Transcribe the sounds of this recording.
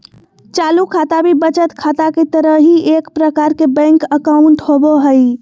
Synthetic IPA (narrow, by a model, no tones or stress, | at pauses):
t͡ʃalukʰat̪abibət͡ʃət̪kʰat̪aket̪əɾəɦɦiʔekpɾəkaɾkebɛ̃ŋkəkaʊɳʈɦoboɦəj